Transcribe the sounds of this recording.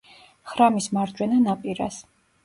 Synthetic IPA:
χɾamismaɾd̪d͡ʒwɛnanapʼiɾa̰s

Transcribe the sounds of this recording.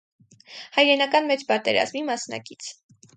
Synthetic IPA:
hɑjɾɛnɑkɑnmɛt͡spɑt̪ɛɾɑ̰zmimɑsnɑ̰kit͡sʰ

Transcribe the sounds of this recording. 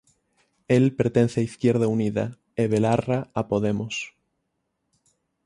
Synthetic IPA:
elpeɾt̪en̟θeaiθkjeɾð̞auniða̰ | eβelaraapoðemos

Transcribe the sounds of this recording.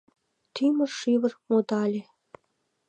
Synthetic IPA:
t̪ymə̆rʃiβə̆rmod̪ɑlʲe

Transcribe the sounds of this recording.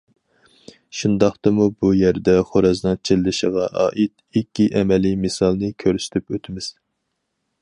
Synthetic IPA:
ʃund̪ɑχt̪ɨmubujæɾd̪ɛχoɾɑznɨŋt͡ʃʰelːɪʃəʁɑʔɑ̰ːʔit̪̚ | ikʲːiʔɛmɛlijmɨsɑlˠnɨkʲʰøɾsy̥t̪ʰypøt̪ʰɪmɪz̥

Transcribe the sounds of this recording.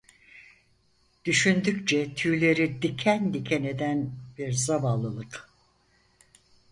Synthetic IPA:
d̪̥yʃynd̪ykt͡ʃʰɛt̪ʰyːlʲe̞ɾid̪icʰænd̪icʲʰene̞d̪ænb̥iɾzavalˠɯlˠɯk

